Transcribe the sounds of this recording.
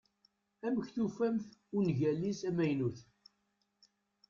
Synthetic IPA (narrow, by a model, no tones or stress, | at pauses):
æməçθufæmθʊnʝælːisæmæjnuθ